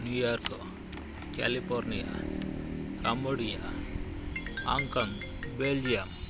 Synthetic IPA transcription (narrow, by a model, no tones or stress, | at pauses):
njujaɾkɔ | kɛ̰lipʰɔɾnija̰ | kamboɽija̰ | a̰ŋkand | beld͡ʒijam